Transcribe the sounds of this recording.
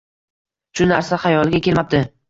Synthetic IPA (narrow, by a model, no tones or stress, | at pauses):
ʃʊnaɾsaχajɒlˠɪɡʲakʲʰelmap̚d̪ɪ